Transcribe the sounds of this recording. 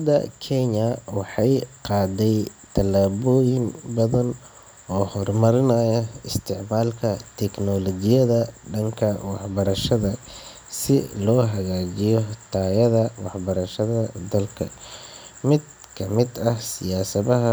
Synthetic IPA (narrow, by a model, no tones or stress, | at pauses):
d̪ɐ̰kʰɛnɐwɑħɑjqɑːd̪ɛjt̪ʰɐlaːβɔːjɪŋbɐðɐn | ɔːhɔrmɐɾɪnɐjɐɪst̪ʰɪʕmaːlkʰɐt̪ʰɛknɔlɔd͡ʒɪjɐðɐɖɐŋkʰɐwɑħbɐɾɐʃɐðɐ | sɪ̰lɔːɦɐɣaːd͡ʒɪjɔt̪ʰaːjɐðɐwɑħbɐɾɐʃɐðɐd̪ɐlkʰɐ̰ | mɪd̪̚ | kʰɐmɪd̪ɐhsɪjaːsɐðɐɦɐ